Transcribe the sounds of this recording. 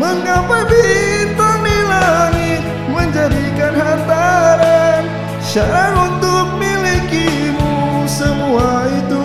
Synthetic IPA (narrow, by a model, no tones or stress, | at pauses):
məŋapajbit̪anilaŋɪt̪̚ | məɲd͡ʒadikanɦant̪aɾan | ʃaɾaɾunt̪ʊk̚milikimusəmuait̪u